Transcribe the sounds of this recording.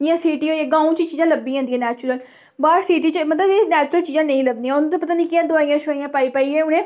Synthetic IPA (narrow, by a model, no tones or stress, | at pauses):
ɪ̃ãːsiːʈiːɦoːiɛːɡãːũːt͡ʃit͡ʃiːzãːləbiːɦãːnd̪ĩːɛ̃ːnɛːt͡ʃʊɾəl | baːɾsiːʈ̬iːt͡ʃəmət̪ləbeːnɛːt͡ʃʊɾəlt͡ʃiːzãːnəĩːləbnĩːãːʊnːt̪oːpət̪aːnĩːkɪãːd̪ʊaːĩjãːʃaːĩjãːpaːiːpaːiːɛːʊnẽː